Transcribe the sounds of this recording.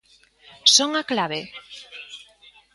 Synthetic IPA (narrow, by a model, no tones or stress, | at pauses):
soŋaklaβe